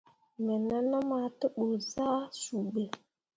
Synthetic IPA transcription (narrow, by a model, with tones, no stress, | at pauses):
mɛ˨na˦na˦ma˨tə˦ɓo˨za˦su˨bə˨